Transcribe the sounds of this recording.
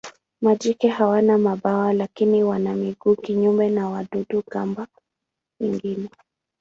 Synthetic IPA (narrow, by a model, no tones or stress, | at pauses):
mad͡ʒikɛhawanamaɓawalakiniwanamiɡuːkiɲumbɛnawaɗuɗukamba | wɛŋɡinɛ